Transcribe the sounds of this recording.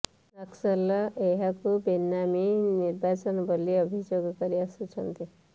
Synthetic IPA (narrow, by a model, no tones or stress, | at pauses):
nʌksəlʌeɦakubinːaminiɾbat͡sənbʱəlːiʌbʱid͡ʒjoɡkʌɾiasut͡sʰʌnt̪i